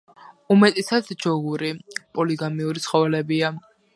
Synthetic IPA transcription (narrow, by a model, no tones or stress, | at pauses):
umɛt̪ʼɛsat̪sd͡ʒɔɡuɾipʼɔliɡamiuɾit̪sʰχɔvɛlɛbia